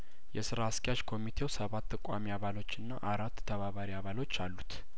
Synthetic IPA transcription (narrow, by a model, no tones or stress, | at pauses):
jɛsɨɾaskʼjaʃkʰo̞mit̪ʰe̞wsəβat̪ʰːəkʷʼamiaβalo̞t͡ʃːɨnːaʔaɾat̪ːʰəβaβaɾiaβalo̞t͡ʃːalːut̪